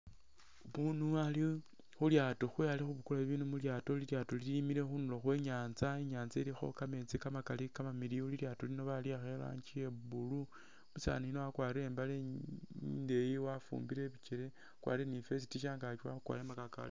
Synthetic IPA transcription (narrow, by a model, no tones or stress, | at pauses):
βunuali | xuljaːtoxwealixuβukulaiβiːnumuljaːtoliljaːtoliilimiɾe̞xunulo̞xwe̞ɲaːnt͡saeɲaːnzaɾixo̞̰kamet͡sikamakalikamamiɾiuliljaːtolino̞βaliaxela̰ɲt͡ʃiebulu | βusa̰ːniinoakwaːɾiɾe̞ːmbale | ndejiwafṵmbiɾe̞βit͡ʃeɾe̞ | kwa̰ːɾienife̞s̬itiʃ̬aːŋɡat͡ʃwa̰kwa̰ːɾemakaka̰le